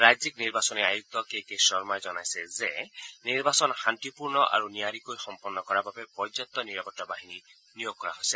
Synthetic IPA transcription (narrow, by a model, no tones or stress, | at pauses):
ɾajzikniɾbasɔniajuk̚t̪ɔkejkesɔɾmɔed͡ʒɔnajsezeniɾbasɔnhant̪ipuɾnɔʔa̰ɾuniaɾikojxɔmpɔnːɔkɔɾababepɔjd͡ʒzɔt̪ːɔniɾapɔʈːɔbaɦini | nijoɡ̚kːɔɾa̰ɦojse